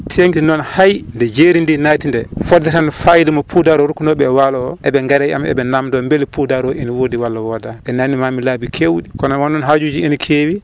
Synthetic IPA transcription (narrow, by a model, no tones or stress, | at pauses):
tʰeŋtinɔnhajndɛd͡ʒeɾindinaːtindɛfɔdɛtanfajdimɔpʰudaɾɔɾukːunɔɓɛːwalɔɔʔɛbɛŋɡaɾaja̰mɛ̰bɛnamdɔmbelipudaɾɔeniwodiwalːawɔdaʔɛnanːimamilabikʰewɗikɔnɔwanːɔnɦad͡ʒud͡ʒienikʰewi